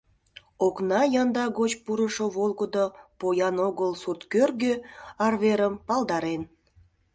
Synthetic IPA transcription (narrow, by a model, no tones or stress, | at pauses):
oknɑjɑnd̪ɑɣot͡ɕpuɾəʃoβolɡəd̪opojɑnoɣəlsurt̪kørɡøɑrβeɾəmpɑlˠd̪ɑɾen